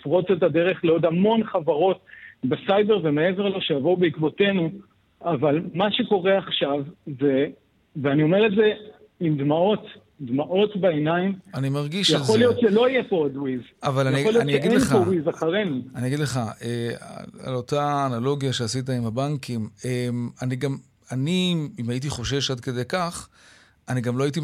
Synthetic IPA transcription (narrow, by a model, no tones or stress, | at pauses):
fʁo̞t͡setade̞ʁe̞χleo̞d̪hamo̞nχavaʁo̞tbesajde̞ʁve̞mee̞ve̞ʁlo̞ʃejavo̞ubeikvo̞te̞nu | avalmaʃe̞ko̞ʁe̞aχʃavze̞ | veanio̞me̞ʁleze̞ | imd̪mao̞t | d̪maʔo̞tbeenaimanimaʁɡiʃjaχolijotʃelo̞ijepood̪wizavalanialioniaeɡidleχowizaχaʁe̞nuaniaɡid̪le̞χaʔḛa̰lo̞taːnalo̞ɡjaʃeasit̬aimhabaŋkimemaniɡam | aniimait̬iχo̞ʃe̞ʃad̪̚ke̞de̞jkaχ | aniɡamlo̞ait̬i